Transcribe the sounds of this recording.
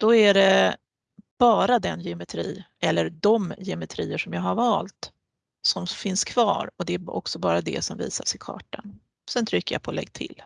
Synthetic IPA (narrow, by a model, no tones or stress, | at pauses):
d̪̥ɔæɖɛ | b̥ɑːɾad̪ɛnjɛʊmɛt̪ʰɾiːʔɛlːəɾd̪ɔmjɛʊmɛt̪ʰɾiːəʂɔmjɑːɡhaɾvɑːlt̪ | sɔmfɪnskʰv̥ɑ̰ːɾɔd̪ɛæɔ̰ksɔbɑːɾad̪ɛ̰sɔmvḭːsaʂɪkʰɑ̰ːʈan | sɛnt̪ʰɾʏkːəɾja̰pʰɔːlɛ̰ɡ̚ːt̪ʰɪ̰lː